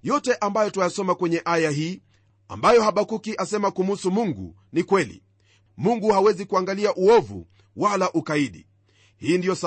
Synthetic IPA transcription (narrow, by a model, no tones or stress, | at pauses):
jɔtɛʔambajɔtuajasɔmakwɛɲɛʔajaɦiː | a̰mbajɔhaɓakukiʔasɛmakumusumuŋɡṵ | nikwɛlḭ | muŋɡuhawɛzikuaŋɡaliaʔuɔvṵ | walaʔukaiɗḭ | hiːndijɔs